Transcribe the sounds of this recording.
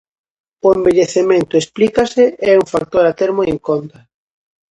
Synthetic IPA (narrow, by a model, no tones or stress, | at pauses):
ʊembeʎeθemẽnt̪ʊesplikaseɛuŋfak̚t̪oɾat̪eɾmoeŋkont̪a